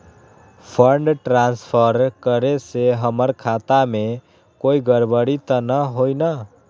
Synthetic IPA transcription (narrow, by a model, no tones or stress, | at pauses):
pʰəɳɖʈɾanspʰəɾkəɾeseɦəməɾkʰat̪ame | koiɡəɾbəɽit̪ənəɦojnə